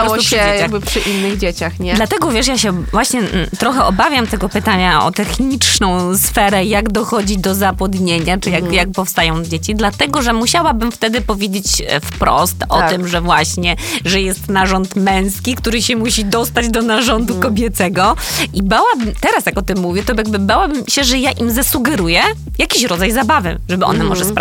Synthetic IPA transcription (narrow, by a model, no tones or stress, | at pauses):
ɔʂɛejaɡbɘpʂɨʔinːɨɣd͡ʑet͡ɕaxɲɛlat̪ɛɡɔvʲjɛʂjaɕɛvwaɕɲɛt̪ɾɔxɛʔɔbavʲjamt̪ɛɡɔpɘt̪aɲaɔ̰t̪ɛxɲit͡ʂnɔ̃w̃sfɛɾɛjaɡd̪ɔxɔd͡ʑid̪ɔzapɔd̪ɲeɲat͡ʂɨjakjak̚pɔfst̪ajɔ̃w̃d͡ʑet͡ɕid̪lat̪ɛɡɔʐɛmuɕawabɘmft̪ɛd̪ɘpɔvʲjed͡ʑet͡ɕfpɾɔ̰st̪ɔt̪ɘmʐɛvwaɕɲɛʐɛjɛst̪naʐɔnt̪mɛ̃w̃skʲikt̪uɾɘɕɛmuɕid̪ɔst̪ad͡ʑd̪ɔnaʐɔnd̪ukɔbʲjɛt̪sɛɡɔʔibawabɘmt̪ɛɾasjakɔt̪ɘmːuvʲjɛt̪ɔjaɡ̚bɘbawabɘmɕɛʐɛjaʔimzasuɡɛɾujɛ | jakʲiɕɾɔd̪zajzabavɘ̰ʐɛbɘʔɔ̰nɛmɔʐɛspɾa